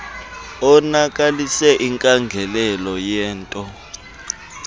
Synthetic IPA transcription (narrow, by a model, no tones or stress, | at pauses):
ɔnak̬ʼalisɛʔiŋkʼaŋɡʱɛlɛlɔjɛːntʼɔ